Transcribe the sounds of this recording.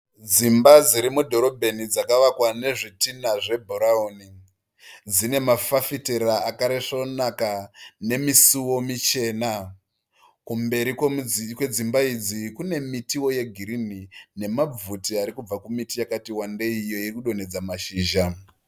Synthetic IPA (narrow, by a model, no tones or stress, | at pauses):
d͡zimbad͡ziɾimudʱo̞ɾobʱe̞nid͡zakaʋakwane̞ʐitinaʐe̞bʱoɾaoːni | d͡zine̞mafafiteɾaakaɾeʂonakane̞misuwo̞mit͡ʃe̞ːna | kumbe̞ɾikkwe̞d͡zimbaid͡zikune̞mitiwo̞je̞ɡʱiɾinine̞mab͡vutiaɾikub͡vakumitijakatiwande̞ijo̞iikuɗo̞ne̞d͡zamaʃiːʒa